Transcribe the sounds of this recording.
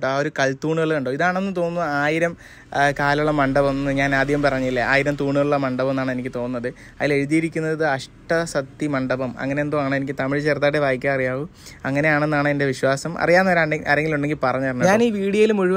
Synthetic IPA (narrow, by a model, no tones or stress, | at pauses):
oaːo̞ɾukɐɭt̪uːɳuɣɐɭuɳɖoːiðaːɳenːɨt̪o̞ːnːɐaːjiɾɐm | kaːlɐuɭːɐmɐɳɖɐbɐmnːɨɲaːnaːd̪ʱjɐɣɐmpɐrɐɲːilːɐaːjiɾɐmt̪uːɳuɣɐɭuɭːɐmɐɳɖɐbɐmenːaːɳɨe̞nikʲːɨt̪o̞ːnnːɐðɨ | ɐðile̞ɻuðijeɾikʲːunːɐððɨɐʂʈɐsɐt̪ːimɐɳɖɐbɐmɐ̰ŋːɐneenboaːɳɨenikʲːɨt̪ɐmiɻt͡ɕe̞ːrt̪̬aːɽeʋaːjikʲːaɐrijaːʋuɐŋːɐne̞jaːɳe̞nːaːɳɨende̞ʋiɕwaːsɐmʔɐ̰rijaːnːɐʋɐɾaːɳɖeɐɾe̞ŋɡiluɳɖe̞ŋɡilpɐrɐɲːɐɐrɐnːɐɲaːniːʋiːɽijɐilumuɻuʋ